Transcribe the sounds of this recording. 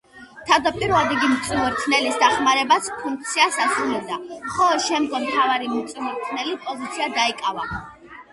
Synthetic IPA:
t̪ʰad̪apʼiɾvad̪ɛɡimt̪sʼmɔɾt̪ʰnɛlisd̪aχmaɾɛbaspʰuŋk̚ʰt̪sʰiasasɾunɛbd̪amχɔlˠɔd̪ʃɛmd̪ɡɔmmt̪ʰavaɾimɔt̪sʼmɔɾt̪ʰnɛlipʼɔzit̪sʰiad̪aikʼava

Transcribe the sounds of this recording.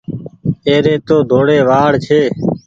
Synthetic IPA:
eːɾeːt̪oːd̪ʱoːɽeːʋaːɽt͡ʃʰeː

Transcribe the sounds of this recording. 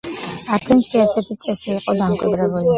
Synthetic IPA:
at̪ʰɛnsiasɛt̪ʰit̪sʼɛsiːqʼɔd̪amkʼwḭd̪ɾɛbuli

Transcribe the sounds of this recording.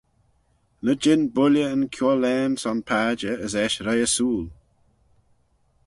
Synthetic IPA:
ləd͡ʒɪnbʊljəənkʰjɔːlɛːmsɔnpʰaːd͡ʒəəzɛʃɾɛjəsuːl

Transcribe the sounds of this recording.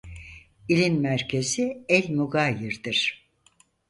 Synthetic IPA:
ilʲinmæɾcʰe̞ziɛlʲmuɡajiɾd̪iɾ̥

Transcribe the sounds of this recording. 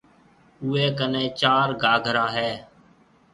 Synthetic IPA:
uːeːkənẽːt͡ʃaːɾɡaːɡʱɾaːɦɛː

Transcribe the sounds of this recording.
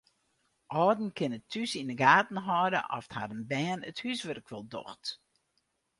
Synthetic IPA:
ʔɔːdn̩kʰɪnətʰːysinəɡaːtn̩ɦɔːdə̰ʔɔ̰ftha̰dənbɛːnəthysʋørkʰʋɪlˠdɔ̰xt

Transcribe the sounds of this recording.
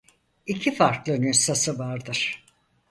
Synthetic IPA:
icʰifaɾklˠɯnysasɯvaɾd̪ɯɾ̥

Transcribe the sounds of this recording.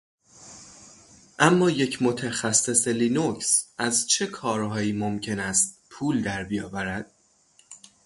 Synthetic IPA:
ʔæmːɒːje̞cʰmot̪ʰæxæsːe̞selinocsʔæzt͡ʃʰe̞kʰɒːɾɦɒːjiːmomcʰe̞næst̪̚pʰuːld̪æɾbijɒːvæɾæd̪̥̚

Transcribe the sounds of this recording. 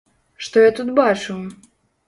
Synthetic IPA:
ʂt̪ɔjat̪ut̪bat͡ʂu

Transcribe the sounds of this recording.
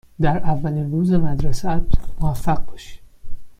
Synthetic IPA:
d̪æɾævːælinruːzemæd̪ɾesæt̪moæfæɢ̚bɒʃi̥

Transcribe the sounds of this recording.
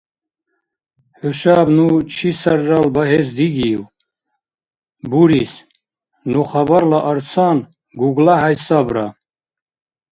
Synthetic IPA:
ħuʃabnut͡ʃʰisaɾːalbaɦɛs̬d̪iɡiw | buɾis | nuχabaɾlaʔəɾt͡sʰan | ɡuɡlaɦajsabɾa

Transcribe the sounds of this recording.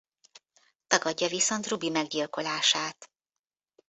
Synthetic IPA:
t̪ɒɡɒɟːɒviso̞nt̪rubimɛɡɟilko̞laːʃaːt̪

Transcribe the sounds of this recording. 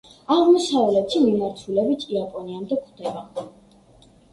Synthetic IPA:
aʁmɔsavlɛt̪ʰimɔnaɾt̪ʰulɛbit̪ʰiapʼɔniamd̪ɛkʰwd̪ɛba

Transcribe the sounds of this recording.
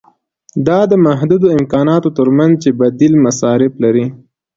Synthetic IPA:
d̪ɑd̪əmaɦd̪ud̪oɪmkɑnɑt̪ot̪əɾmanzt͡ʃebad̪ilmasɑɾɪflaɾi

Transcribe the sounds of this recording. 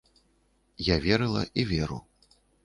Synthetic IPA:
javʲɛɾɨlˠɐ̰ʔivʲɛɾṵ

